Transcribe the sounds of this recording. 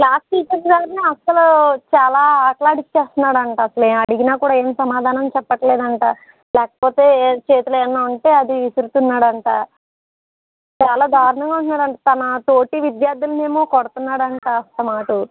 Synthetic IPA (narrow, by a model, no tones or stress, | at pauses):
klaːsʈiːt͡ʃɐɾsɡaːɾneɐsɐlut͡ʃaːlaːaːʈlaːɽit͡ʃːe̞ːst̪unːaːɽɐɳʈaːɐsɐleːɐɽiɡinaːkuːɽaːe̞ːmsɐmaːd̪ʱaːnɐmt͡ʃɛpːɐʈɐle̞ːd̪ɐɳʈaː | lɛːkɐ̥poːt̪e̞ːt͡ʃe̞ːt̪ulɛnːaːɐɳʈe̞ːɐd̪iʋisiɾut̪unːaːɽɐɳʈaː | t͡ʃaːlaːd̪ʱaːɾɐɳɐŋɡaːuɳʈ̪unːaːɽɐɳʈaːt̪ɐnɐt̪oːʈiʋid̪jaːɾd̪ulɐneːmoːkɔɽɐt̪unːaːɽɐɳʈaːɐst̪ɐmaːʈu